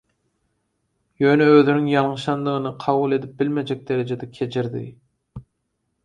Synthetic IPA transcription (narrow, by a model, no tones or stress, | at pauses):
jøːnɛøðynyŋjɑlˠŋɯʃɑnd̪ɯʁɯnɯqʰɑβulˠe̞d̪ip̚bɪlmed͡ʒɛk̚ʲd̪eɾed͡ʒed̪ɛkʲʰet͡ʃʰiɾd̪ɪ̰